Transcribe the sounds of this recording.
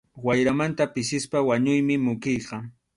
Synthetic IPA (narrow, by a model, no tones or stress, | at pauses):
wajɾamant̪apɪsɪspawaɲʊjmɪmʊkɪjqɑ